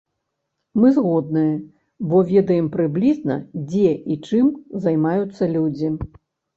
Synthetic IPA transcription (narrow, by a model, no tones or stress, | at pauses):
mɨzɣɔd̪̚nɨjɐ | bɔvʲɛd̪ɐjɛmpɾɨblʲiznɐ̰d͡zʲɛʔit͡ʂɨmzɐjmajut̪sːɐlʲud͡zʲi